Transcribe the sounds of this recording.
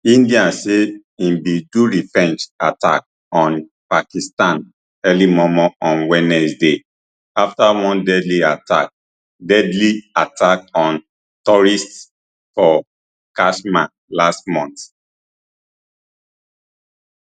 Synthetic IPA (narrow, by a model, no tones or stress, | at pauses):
ĩndiãse | ĩmbiduɹifɹɛ̃nd͡ʒata̰k̚ | ɔ̃n | pakistãn | ɛlimɔmɔɔ̃nwɛnɛsde | aftawɔ̃ndɛdliata̰k̚ | dɛdliatʰak̚ɔ̃n | tɔɹist | fɔ | kaʃma | lastmɔ̃nt